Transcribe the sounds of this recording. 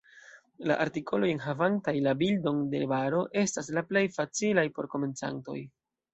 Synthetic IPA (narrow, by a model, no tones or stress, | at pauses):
la̰ʔaɾtikʰolo̞je̞nɦavantajlabildo̞nde̞̰baɾo̞ʔe̞stas̬laple̞jfat͡silajpo̞ɾko̞me̞nt͡sa̰nto̞̰j